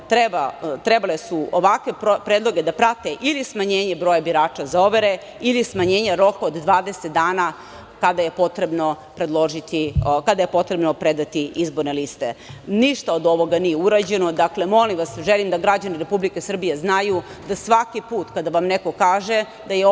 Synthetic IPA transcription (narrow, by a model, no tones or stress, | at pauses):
t̪ɾebat̪ɾebalesuoʋakʋe̞popɾed̪lˠo̞ɡe̞d̪apɾat̪eʔilismaɲe̞ːɲe̞bɾojabiɾaːt͡ʂazao̞ʋeɾe̞ | ilismaɲe̞ːɲaɾo̞kaod̪d̪ʋaːd̪eset̪̚d̪aːna | kad̪aje̞po̞t̪ɾe̞bno | pɾe̞d̪lˠo̞ʒit̪ikad̪aje̞po̞t̪ɾe̞bnopɾed̪at̪iizbo̞ɾnelist̪e̞niʃt̪aod̪o̞ʋo̞ɡanijeuɾad͡ʑe̞no̞d̪akle̞mo̞limʋasʒelimd̪aɡɾad͡ʑaniɾe̞publikesr̩bijeznaju | d̪asʋakipuːt̪kad̪aʋamne̞ko̞kaːʒe̞ | d̪aje